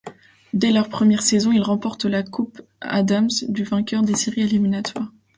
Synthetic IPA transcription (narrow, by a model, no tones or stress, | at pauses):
d̪ɛlœʁpχəmjɛʁsɛzɔ̃ilʁɑ̃pɔʁt̪lakʰupa̰d̪amsd̪yvɛ̃kʲœʁd̪eseʁieliminat̪waːʁ